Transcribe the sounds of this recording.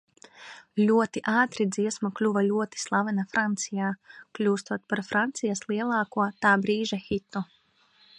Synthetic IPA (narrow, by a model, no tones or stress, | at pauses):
lʲuɔt̪iʔaːt̪ɾid̪ziɛsmaklʲuvalʲuɔt̪i̥slˠavɛnafɾant̪sijaːklʲuːst̪uɔt̪paɾfɾant̪sijaslˠiɛlˠaːkuɔt̪aːbɾiːʒaxit̪u